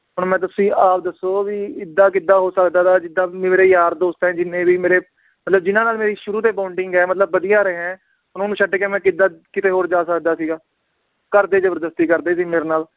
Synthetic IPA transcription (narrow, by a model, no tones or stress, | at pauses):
ɦʊɳmɛ̃ːt̪ʊsĩːʔaːp̚d̪əsːoːʋiːɪd̪ːaːkɪd̪aːɦoːsəkd̪aːt̪ʰaːd͡ʒɪd̪aːeːɾeːjaːɾd̪oːst̪ɛ̃ːd͡ʒɪnːẽːbiːmeːɾeː | mət̪ləb̚d͡ʒɪnãːnaːlmeːɾiːʃʊɾuːt̪eːpaːʊɳɖɪŋɡɛːmət̪̬ləbːəd̪ijaːɾeɦɛ̃ː | ʊnõːnũːt͡ʃʰəɖeːkẽːmɛ̃ːkɪd̪aːkɪt̪eːɦoːɾd͡ʒaːsəkd̪aːsiːɡaː | kəɾd̪eːd͡ʒəbəɾd̪əst̪iːkəɾd̪eːsiːmeːɾeːnaːl